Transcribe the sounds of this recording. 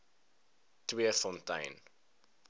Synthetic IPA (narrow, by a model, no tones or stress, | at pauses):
twiəfɔ̃ntɐ̰̃jn